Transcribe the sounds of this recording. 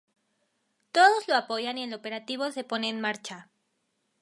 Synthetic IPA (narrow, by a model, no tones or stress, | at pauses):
t̪o̞ðo̞zlo̞apo̞ʝanielo̞pe̞ɾat̪iβo̞se̞po̞ne̞ːnmaɾt͡ʃa